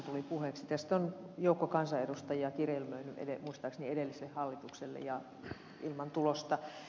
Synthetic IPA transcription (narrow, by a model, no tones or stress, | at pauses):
t̪ulipuheksit̪æst̪onjoukːokɑnsɑedust̪ɑjiɑkirjelmøynyʔḛdemuist̪ɑˑksniedelːiselːehhɑlːit̪ukselːḛjɑ | ilmɑnt̪ulost̪ɑ